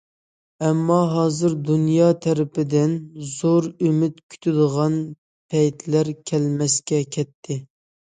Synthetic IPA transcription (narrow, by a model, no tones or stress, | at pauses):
ɛmːɑɦɑːzɨɾd̪unjɑt̪ʰæɾɪpɪd̪ɪnzoɾymɪt̪kʲʰy̥t̪ʰɪd̪əʁɑn | pʰɛjt̪ʰlæɾkʲʰɛlmɛskʲɛkʲʰɛt̪ʰːɪ